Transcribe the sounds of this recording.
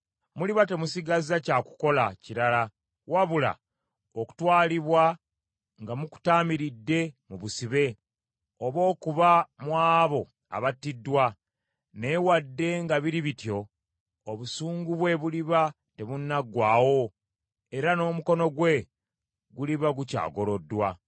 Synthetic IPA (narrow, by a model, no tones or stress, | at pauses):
muliβate̞musiɡazacaku̥ko̞laciɾala | waβula̰ | oku̥twaːliβwa | ŋɡamuku̥taːmiɾidːe̞muβusiβe̞ | oβo̞ːkuβamwaːβo̞ | a̰βatːidːwa | ne̞wadːe̞ŋɡaβiɾiβitjo̞ː | βusuːŋɡuβwe̞βuliβa | te̞βunːaɡwaːwo̞ | eɾano̞ːmuko̞no̞ɡwe̞ | ɡuliβaɡuca̰ːɡo̞lo̞dːwa